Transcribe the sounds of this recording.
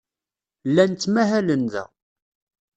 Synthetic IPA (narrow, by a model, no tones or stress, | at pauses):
lːænt͡s̪ːmæɦælənðæ̰